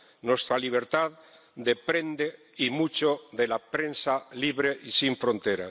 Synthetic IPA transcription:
nwest̪ɾaliβ̞e̞ɾt̪að | d̪e̞pɾe̞nd̪e | imut͡ʃoðe̞lapɾe̞nsaliβɾeʔisiɱfɾõ̞nt̪eɾa̰

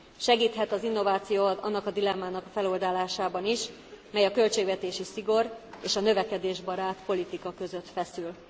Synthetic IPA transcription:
ʃɛɡiːt̪ɦɛt̪ɒzinːo̞vaːt̪sijoːɒnːɒkɒd̪ilɛmːaːnɒkɒfɛlo̞ld̪aːlaːʃaːbɒniʃ | mɛjɒkø̞lt͡ʃeːɡʋɛt̪eːʃisiɡo̞reːʃɒnøvɛkɛd̪eːʒbɒɾaːt̪po̞lit̪ikɒkø̞zø̞t̪fɛsyl

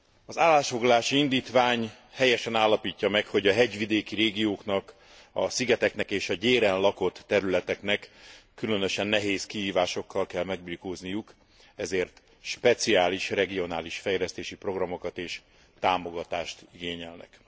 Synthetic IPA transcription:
ɒzaːlːaːʃfo̞ɡlɒlaːʃiind̪iːt̪ʋaːɲ | hɛjɛʃɛnaːlːɒpiːcːɒmɛkho̞ɟɒɦɛɟʋid̪eːkiɾeːɡijoːknɒk | ɒ̰siɡɛt̪ɛknɛkeːʃɒɟeːɾɛnlɒko̞t̪ːɛɾylɛt̪ɛknɛkː | ylønøʃɛnːɛɦeːskiɦiːvaːʃo̞kʰːɒlkɛlmɛɡ̚birkoːznijuk | ɛzeːrt̪ | ʃpɛt̪siaːliʃrɛɡio̞naːliʃfɛjlɛst̪eːʃipro̞ɡrɒmo̞kɒt̪eːʃ | t̪aːmo̞ɡɒt̪aːʃt̪iɡeːɲɛlnɛ̰k

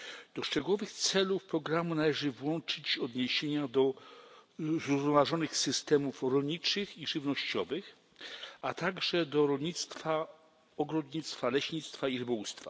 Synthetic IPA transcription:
d̪̥ɔʂt͡ʂɛɡuwɔvɘxt̪sɛlufpɾɔɡɾamunalɛʐɘvwɔnt͡ʂɘt͡ɕɔd̪ɲeɕeɲad̪ɔ | zɾuvnɔvaʐɔnɘxsɘst̪ɛmufɾɔlɲit͡ʂɘxiʐɘvnɔɕt͡ɕɔvɘx | at̪aɡʐɛd̪ɔɾɔlɲit̪st̪fa | ɔɡɾɔd̪ɲit̪st̪falɛɕɲit̪st̪faiɾɘbɔwust̪fa

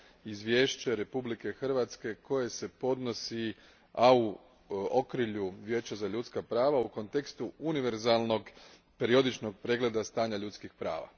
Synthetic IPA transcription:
izʋje̞ːʃt͡ɕeɾe̞publike̞xr̩ʋat̪ske̞ko̞je̞se̞po̞d̪no̞si | au | o̞kɾiʎuʋʲje̞ːt͡ɕazaʎut̪skapɾaːʋauko̞nt̪e̞kst̪uuniʋe̞ɾzalˠno̞ɡ | pe̞ɾio̞d̪it͡ʃno̞ɡ̚pɾe̞ːɡle̞d̪ast̪aːɲaʎut̪skixpɾa̰ːʋa̰

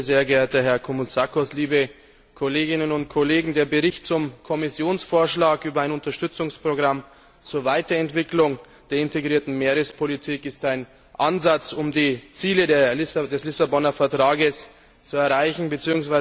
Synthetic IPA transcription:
zeːɐɡeːɐtəɦɛɐkʰomut͡sakɔsliːbə | kʰoleːɡɪnənʊntkʰoleːɡŋ̩deːɐbəʁɪçtt͡sʊmkʰɔmɪsjoːnsfoːɐʃlaːkʔyːbɐaɪnʊntɐʃtʏt͡sʊŋspʁ̥oɡʁam | t͡suːɐvaɪtɐɛntv̥ɪklʊŋ | d̥eːɐɪnteɡʁiːɐtn̩meːʁəspʰolitʰiːkɪstaɪn | ʔanzat͡sʊmdiːt͡siːlədeːɐlɪsdɛslɪsabɔnɐfɛɐtʁ̥aːɡəs | t͡suɛɐʁaɪçn̩bət͡siːʊŋsvaɪ

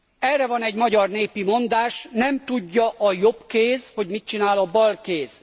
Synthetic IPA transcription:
ɛrːɛvɒnɛɟmɒɟɒrneːpimo̞nd̪aːʃnɛmt̪uɟːɒʔɒjo̞bkeːzho̞ɟmit̪̚t͡ʃinaːlɒbɒlkeːz̥

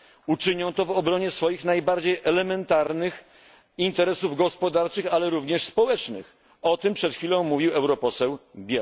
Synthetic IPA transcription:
ut͡ʂɘɲɔ̃w̃t̪ɔvɔbɾɔɲɛsfɔjixnajbaɾd͡ʑejʔɛlɛmɛnt̪aɾnɘx | int̪ɛɾɛsuvɡɔspɔd̪aɾt͡ʂɘxalɛɾuvɲɛʂspɔwɛt͡ʂnɘ̰x | ɔt̪ɘmpʂɛt̪xʲfʲilɔ̃w̃mːuvʲiwɛwɾɔpɔsɛwbʲja

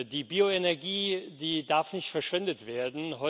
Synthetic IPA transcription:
diːbiːoenɛɐɡiːdiːdaɐfnɪçtfɛɐʃv̥ɪndətv̥eːɐdn̩ɦɔ

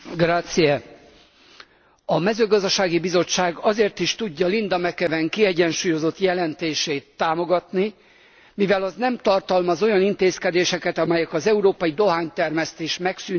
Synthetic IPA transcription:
ɡraːt̪siɛ | ɒmɛzøːɡɒzd̪ɒʃaːɡibizo̞t͡ʃːaːɡɒzeːrt̪iʃt̪uɟːɒlind̪ɒmɛkɛvɛŋkiɛɟɛnʃuːjo̞zo̞t̪jɛlɛnt̪eːʃeːt̪ːaːmo̞ɡɒt̪ni | mivɛlɒznɛmt̪ɒrt̪ɒlmɒzo̞jɒnint̪eːskɛd̪eːʃɛkɛt̪ɒmɛjɛkɒzɛuɾoːpɒjid̪o̞ɦaːɲt̪ɛrmɛst̪eːʃmɛksyn

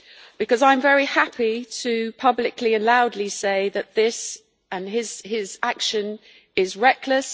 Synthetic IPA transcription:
b̥ɨkɒzãɪ̃ɱvɛɹihapʰitʰəpʰʌblɪkliə̃nlaʊdˡliseɪðəʔ̪̚ðɪs | ə̃nɪz̥ɪzakʃə̃n | ɪzɹɛkʰləs

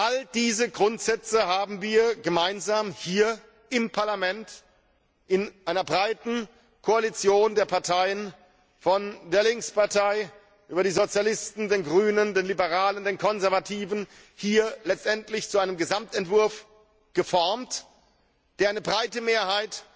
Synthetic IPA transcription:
ʔald̥iːzəɡʁʊntz̥ɛt͡səhaːbm̩viːɐɡəmaɪnzaːmhiːɐ | ɪmpʰaɐlamɛnt | ʔɪnʔaɪnɐbʁaɪtn̩ | kʰoalit͡sjoːndeːɐpʰaɐtʰaɪən | fɔndeːɐlɪŋkspaɐtʰaɪ | ʔyːbɐɾiːzot͡sjalɪstn̩deːnɡʁyːnəndeːnlibəʁaːləndeːnkʰɔnzɛɐvatʰiːvn̩ | hiːɐlɛt͡stʔɛntlɪçt͡suʔaɪnəmɡəzamtɛntv̥ʊɐf | ɡ̥əfɔɐmt | d̥eːɐaɪnəbʁaɪtəmeːɐhaɪt

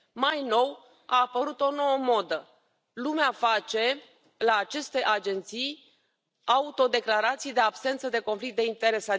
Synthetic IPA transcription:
majno̞w | aːpəɾut̪o̞no̞wəmo̞d̪ə | lumeafat͡ʃe̞ | laːt͡ʃe̞st̪e̞ʔad͡ʒe̞nt̪sij | aut̪o̞d̪e̞klaɾat̪sije̞d̪e̞absent̪səd̪e̞ko̞nflik̚t̪d̪e̞int̪e̞ɾe̞sa

